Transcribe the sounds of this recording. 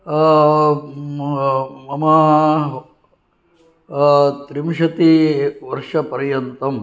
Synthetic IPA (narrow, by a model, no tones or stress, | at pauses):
mɐmɐ | t̪ɾimʃɐt̪iʋɐɾʂɐpɐɾjɐnt̪ɐm